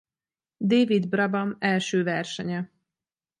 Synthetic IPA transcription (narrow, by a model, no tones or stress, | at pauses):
d̪eːvid̪brɒbɒmɛlʃøːvɛrʃɛɲɛ